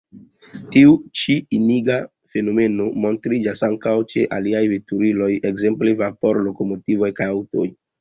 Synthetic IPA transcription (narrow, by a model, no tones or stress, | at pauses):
tiut͡ʃiiniɡa | fe̞no̞me̞no̞mo̞ntɾid͡ʒasaŋkawt͡ʃe̞ʔaliajvetuɾilo̞jekze̞mple̞vapo̞ɾlo̞ko̞mo̞tivo̞jkajawto̞̰j